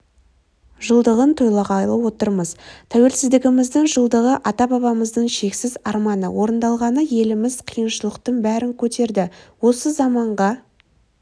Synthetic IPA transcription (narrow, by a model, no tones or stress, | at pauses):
ʒəlˠd̪əʁənt̪ʰo̞jlˠɑʁɑjlˠəwo̞t̪əɾməzt̪ʰæwe̞lsɪzd̪ɪɡʲɪmɪzd̪ɪɴʒəlˠd̪əʁəʔɑt̪ɑbɑβɑməzd̪əɴʃe̞ksɪzɑɾmɑnə̰wo̞ɾənd̪ɑlˠʁɑnəje̞lɪmɪz̥qʰijənʃəlˠəqt̪əɴbæɾɪŋkʲʰɵt̪e̞ɾd̪ɪwo̞səzɑmɑɴʁɑ